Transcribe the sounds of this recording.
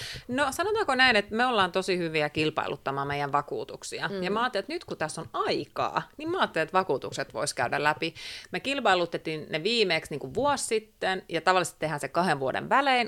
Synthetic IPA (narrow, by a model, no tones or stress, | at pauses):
nosɑnot̪ɑːkonæinet̪meolːɑːnt̪osihyʋiækilpɑ̰ḭlṵt̪ːɑmɑːmejˑæʋʋɑkṵːt̪uksiɑjɑmɑːt̪ːelet̪nyt̪kut̪æsːonɑikɑ̰ːnimmɑːt̪ːeliet̪ʋɑkuːt̪ukset̪ʋo̰iskæydæ̰læpimekilpɑilut̪ːet̪ːinneʋiːmeːksniːŋkuʋʋuossit̪ːenjɑt̪ɑʋɑlːˑist̪t̪ehæːnsekɑheʋʋuodḛʋʋæleːn